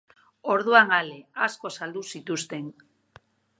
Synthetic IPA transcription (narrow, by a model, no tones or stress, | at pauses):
o̞ɾðuaŋaleasko̞sald̪usit̪ust̪e̞n